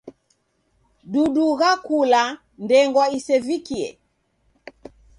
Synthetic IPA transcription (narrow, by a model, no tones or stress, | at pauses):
ɗuɗuɣakula | ndɛŋɡwaisɛvikiɛ̰